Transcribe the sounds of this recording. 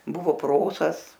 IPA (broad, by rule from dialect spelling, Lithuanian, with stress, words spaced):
ˈbʊʋoː ˈproːsɐs